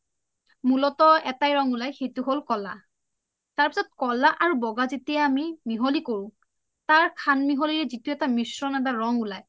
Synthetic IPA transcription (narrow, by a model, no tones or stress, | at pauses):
mulɔtɔɛtajɹɔŋʊlajxejtuɦolkɔla̰ | taɹpi̥sɔt̚kɔlaʔaɹubɔɡazetijaːmimiɦolikoɹʊ̃ | taɹkʰanmiɦoliɹɛzituɛtamisɹɔnadaɹɔŋulaj